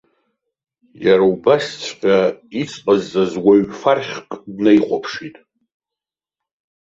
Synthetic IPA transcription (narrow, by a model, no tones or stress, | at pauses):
jaɾaubast͡sʷʰqʲʼait͡sʰʼqʼazːazwaɥfarχʲqʼdnajqʷapʰʂitʼ